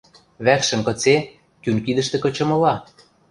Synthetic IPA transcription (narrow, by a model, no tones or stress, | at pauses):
βækʃə̆mkɤ̆t͡se | kynkid̪ə̆ʃt̪ĕkɤ̆t͡ɕɤ̆mɤ̆lɑ